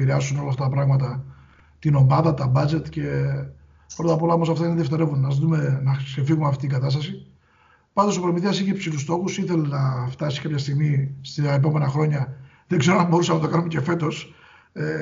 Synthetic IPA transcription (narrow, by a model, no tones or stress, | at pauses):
iɾeɐsuno̞lɐft̪ɐt̪ɐpɾɐɣmɐt̪ɐ | t̪ino̞mɐðɐt̪ɐbɐd͡ze̞t̪ce̞ | pɾo̞t̪ɐpo̞lɐo̞mo̞sɐft̪ɐineðieft̪e̞ɾe̞vunnɐzðume̞nɐse̞fiɣumɐft̪iːɡɐt̪ɐst̪ɐsi | pɐnd̪osopɾomiθiɐsiçepsilust̪o̞xusiθe̞lenɐft̪ɐsi̥kɐpçɐst̪iɣmist̪ɐep̬o̞me̞nɐxɾo̞ɲɐ | ðeɡze̞ɾonɐbo̞ɾusɐnɐt̪o̞kɐnumece̞fe̞t̪o̞s | e